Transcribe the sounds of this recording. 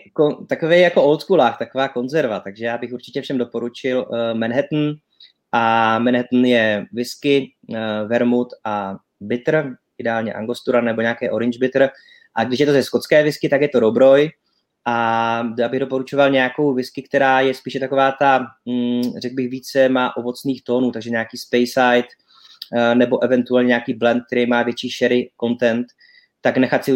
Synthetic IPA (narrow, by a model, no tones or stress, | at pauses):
kot̪akovɛjjakoʔolt̪kulaːxt̪akovaːko̞nzɛɾvat̪aɡʒɛjaːbɪxuɾt͡ʃɪcɛfʃɛmdo̞po̞ɾut͡ʃɪlmɛnɦɛt̪n̩ | ʔamɛnɦɛt̪n̩jɛvɪskɪ | vɛɾmut̪ʔa | bɪt̪r̩ʔɪdɛaːlɲɛʔa̰ŋɡo̞st̪uɾanɛbo̞ɲaːkɛːʔo̞ɾɪɲd͡ʒbɪt̪r̩ | ʔaɡdɪʃjɛt̪ozɛsko̞t̪t͡skɛːvɪskɪt̪akjɛt̪oɾobɾo̞j | ʔaabɪɣdo̞po̞ɾut͡ʃo̞valɲɛjako̞wvɪskɪk̚t̪ɛɾaːjɛspiːʃɛt̪ako̞vaːt̪a | rɛɡ̚bɪɣviːt͡sɛmaːʔo̞vo̞t͡sniːxt̪o̞ːnuːt̪aɡʒɛɲakiːspɛjsajt̪ | nɛbo̞ʔɛvɛnt̪uɛlɲɛɲɛakiːblɛnt̪̚kt̪ɛɾiːmaːvjɛt͡ʃiːʃɛɾɪko̞nt̪ɛnt̪ː | aknɛxat̪sɪ